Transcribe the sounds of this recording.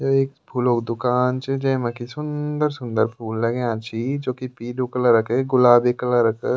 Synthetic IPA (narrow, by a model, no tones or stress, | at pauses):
oeːkpʰuːloːkd̪ʊkaːnt͡ʃed͡ʒɐ̃mɐ̃kisʊnd̪əɾsʊ̃nd̪əɾpʰuːlːɐɡẽãt͡ʃʰid͡ʒoːkipiːlõkɐləɾɐkeɡʊlaːbekɐlaɾɐkə̰